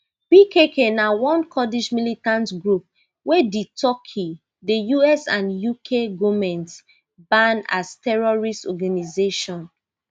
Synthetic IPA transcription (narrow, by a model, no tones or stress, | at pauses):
pikʰekʰenawɔ̃nkʰɔdid͡ʒmilitãntɡɹup̚ | weditɔkʰi | dejuɛsãnjukʰeɡɔmɛ̃nt | bãna̰stɛɹɔɹistɔɡanizeʃɔ̃n